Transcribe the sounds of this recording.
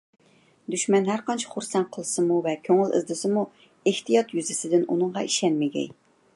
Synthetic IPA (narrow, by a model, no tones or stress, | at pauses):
d̪yʃmɛnhæɾqɑnt͡ʃʰi̥χʊɾsɛnqʰəlˠɨsɨmuvɛkʲʰøŋɪlˠɪ̰zd̪ɨsɪmu | eht̪ijɑt̪jyzɪsɪd̪ɪnṵnɨɴʁɑ̰iʃɛnmɪɡʲɛ̰j